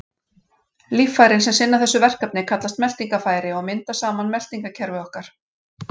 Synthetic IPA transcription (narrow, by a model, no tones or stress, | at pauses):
lifːajɾɪnsɛmsɪnːaθɛsːʏvɛr̥kapnɪkʰat̪last̪mɛl̥t̪iŋkafaːjɾɪɔɣmɪnt̪asaːmanmɛl̥t̪iŋkacʰɛɾvʏɔhkaɾ̥